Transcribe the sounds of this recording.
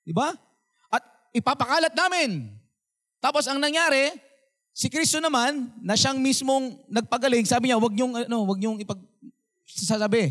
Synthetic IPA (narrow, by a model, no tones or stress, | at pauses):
d̪ɪba | ʔɐt̪̚ | ɪpaːpɐkaːlɐt̪̚naːmɪn | t̪aːpo̞sɐŋnɐŋjaːɾɛ | sɪkɾist̪o̞nɐmanːɐʃaŋmismo̞ŋnɐɡ̚pɐɡɐlɪŋsaːbɪɲawɐɡ̚ɲoŋɐno̞wɐɡ̚ɲoŋɪpɐɡ̚ | sɐsasɐbɛ